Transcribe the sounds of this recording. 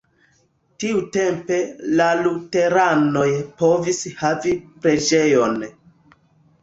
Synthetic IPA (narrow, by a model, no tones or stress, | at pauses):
tiute̞mpe̞lalute̞ɾano̞jpo̞vishavipɾe̞d͡ʒe̞jo̞n